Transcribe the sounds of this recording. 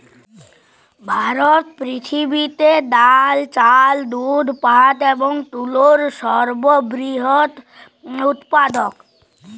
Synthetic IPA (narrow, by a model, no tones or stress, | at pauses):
bʱaːɾɔt̪pɾɪt̪ʰibit̪ed̪alt͡ʃald̪ud̪ʱpat̪ebɔŋʈ̪uloɾʃɔɾbɔbɾiɦɔt̪ | ʊt̪pad̪ɔk